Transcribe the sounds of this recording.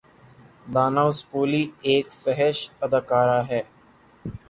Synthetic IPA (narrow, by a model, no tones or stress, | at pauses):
d̪aːnaːʊspuːlieːkfɛɦɛʃɐd̪aːkaːɾaɦɛː